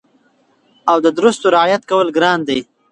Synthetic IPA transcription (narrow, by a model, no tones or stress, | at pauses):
awd̪əd̪ɾʊst̪oɾɪɑjat̪kawəlɡɾɑnd̪ej